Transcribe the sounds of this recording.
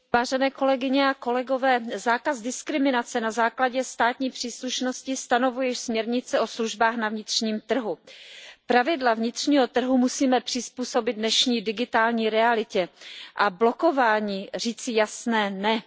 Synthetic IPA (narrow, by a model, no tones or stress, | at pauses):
vaːʒɛnɛːko̞lɛɡɪɲɛako̞lɛɡo̞vɛːzaːkazdɪskɾɪmɪnat͡sɛnazaːklaɟɛst̪aːt̪ɲiːpr̝̥iːsluʃno̞scɪst̪ano̞vujɛsmɲɛɾɲɪt͡sɛʔo̞sluʒbaːxnavɲɪt̪r̝̥ɲiːmt̪r̩ɦupɾavɪdlavɲɪt̪r̥ɲiːɦo̞t̪r̩ɦumusiːmɛpr̥ɪspuːso̞bɪd̪̚dnɛʃɲiːdɪɡɪt̪aːlɲiːɾɛalɪcɛʔablo̞ko̞vaːɲiːr̝iːt͡sɪjasnɛːnɛ